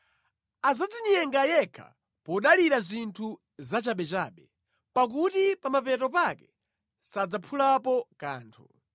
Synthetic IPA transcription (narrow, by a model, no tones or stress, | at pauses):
azad͡ziɲɛŋɡajɛkʰa̰ | pɔɗaliɾazintʰu | zat͡ʃaɓɛt͡ʃaːɓɛ | pak̬utipamapɛtɔpakɛ | sad͡zapʰulapɔka̰ːntʰu